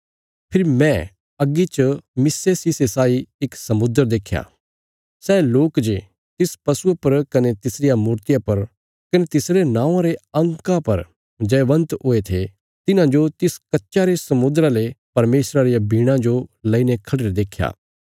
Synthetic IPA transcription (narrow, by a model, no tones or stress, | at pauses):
pʰɪɾimɛ̃ | ɐɡit͡ʃmɪsesisesaːiɪksɐmʊd̪əɾd̪eːkʰːja̰ː | sɛːloːkd͡ʒe | t̪ɪspɐsuepɐɾkɐnet̪ɪsɾɪjamuːɾt̪ɪjapɐɾ | kɐnet̪ɪsɾenãːãɾeɐ̃ŋkãpɐɾ | d͡ʒɛːʋɐ̃nt̪ɦoːet̪ʰe | t̪ɪnãd͡ʒot̪ɪskɐtːʃaɾesɐmʊd̪ɾalepɐɾmeːsɾaɾijabʱiːɽ̃ãd͡ʒolɐinekʰɐɽeɾd̪eːkʰːja̰ː